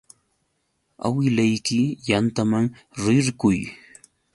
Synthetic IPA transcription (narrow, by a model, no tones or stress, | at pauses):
a̰wɪlajkɪjant̪amaŋ | ɾɪɾkʊj